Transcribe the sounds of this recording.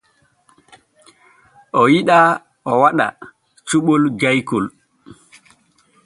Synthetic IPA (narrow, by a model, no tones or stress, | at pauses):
ʔɔjiɗa | ʔɔwaɗa̰ | t͡ʃuɓɔld͡ʒajkul